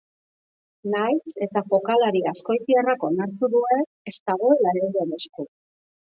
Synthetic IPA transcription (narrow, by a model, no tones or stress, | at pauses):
najse̞t̪afo̞kalaɾiasko̞jt̪iarako̞naɾt̪uðue̞ | est̪aɣ̞o̞laɾeɣenesku